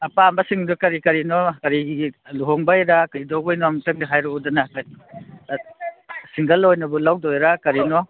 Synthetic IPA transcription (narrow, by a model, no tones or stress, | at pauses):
ɐpambɐsiŋdukɐɾikɐɾinɔkɐɾiɡiluɦɔŋbajɾakɐɾidɔbajnɔamtɯŋdaɦajɾɔudɐnakai | siŋɡɐlːojnɐbulawdojɾakɐɾinɔ